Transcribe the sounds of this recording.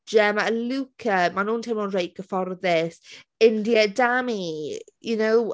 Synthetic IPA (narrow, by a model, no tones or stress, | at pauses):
d͡ʒɛmaəlukʰəmanuːntʰɪmɔːnrejʔ̚ɡ̥əfɔrðɪsɪndiədamijunow